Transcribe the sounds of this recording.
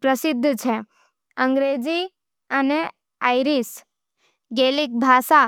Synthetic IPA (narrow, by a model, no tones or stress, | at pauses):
pɾəsɪd̪ʱːt͡ʃʰe | ə̃ŋɡɾeːd͡ʒi | əne | ajɾis | ɡeːlik̚bʱaːsa